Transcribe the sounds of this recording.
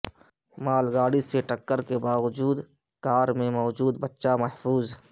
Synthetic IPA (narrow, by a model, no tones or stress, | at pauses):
maːlɡaːɽiseʈəkːəɾkebaːwʊd͡ʒuːd̪ | kaːɾmẽmɔːd͡ʒuːd̪bətːʃamɐɦfʰuːz